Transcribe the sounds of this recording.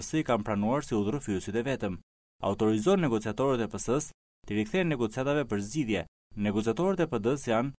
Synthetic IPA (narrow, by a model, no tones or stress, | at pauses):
sikampɾanuaɾsiuðɾufiusit̪ɛvɛt̪əm | a̰ut̪ɔɾizɔnːɛɡɔt͡siat̪ɔɾɛt̪ɛpəsəs | t̪iɾikθɛnːɛɡɔt͡siat̪avɛpəɾzɟiðjɛ | nɛɡɔt͡siat̪ɔɾɛt̪ɛpəd̪əsjan